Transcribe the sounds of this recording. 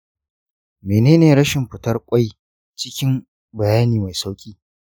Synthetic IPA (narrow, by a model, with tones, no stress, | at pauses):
meː˨neː˦neː˨ɾɐ˦ʃɪ˨mɸɪ˨tɐ˦rkʷʼa˦j | t͡ʃɪ˦kʲɪ˦m | bɐ˨jaː˦niː˨ma˨jsa˦wkʲʼiː˦